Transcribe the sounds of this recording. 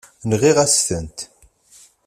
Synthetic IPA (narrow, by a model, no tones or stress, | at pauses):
nʁiʁæst̪ənt̪